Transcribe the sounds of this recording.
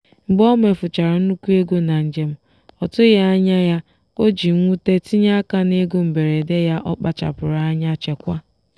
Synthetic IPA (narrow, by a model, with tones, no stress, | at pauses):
ŋ͡m̩˨ɡ͡bɔ˦me˨fʊ˨t͡ʃa˨ɾa˨n̩˦nu˦kʷu˦e˦ɡo˦na˨n̩˨d͡ʒe˨m̩˦ | ɔ˨tʊ˦ja˦a˦ɲa˦ja˦ | ko˦d͡ʒi˨ŋʷu˦te˦ti˦ɲa˦ka˦ne˦ɡo˦m̩˨be˨ɾe˨de˦ja˦ʔɔ˦k͡pa˨t͡ʃa̰˨pʊ˨ɾa˨a˦ɲa˦t͡ʃe˨kʷa˦